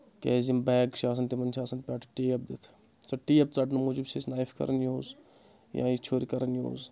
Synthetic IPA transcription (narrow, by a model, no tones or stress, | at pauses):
keːzimbɛːɡʃaːs̬ɐnt̪imɐnʃʰaːsɐnpʲaʈʰʈiːɐb̚d̪it̪ʰ | t͡sɐʈiːɐb̚t͡sɐʈnmuːd͡ʒubseːsnaːifkɐ̰ɾɐnjoːz | jã̰ːit͡ʃʰoːɾikɐɾɐnjo̰ːz